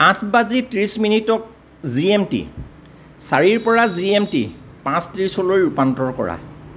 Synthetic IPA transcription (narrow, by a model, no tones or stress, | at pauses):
ãtʰbazitɹisminitɔk̚ | ziemtḭ | saɹiɹpɔɹaziemtḭ | pãstɹisolojɹupantɔɹkɔ̰ɹa̰